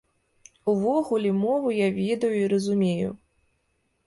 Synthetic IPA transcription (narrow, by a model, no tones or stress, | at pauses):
uvɔɣulʲɛmɔvujavʲed̪ɐjuiɾɐzumʲejṵ